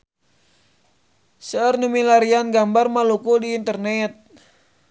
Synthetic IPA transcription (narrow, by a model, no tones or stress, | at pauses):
sərnumilaɾianɡambarmalukudiːnt̪ərnɛt̪̚